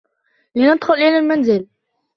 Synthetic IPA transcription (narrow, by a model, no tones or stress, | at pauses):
lɪnɑt̪xʊlʔilalmænzɪl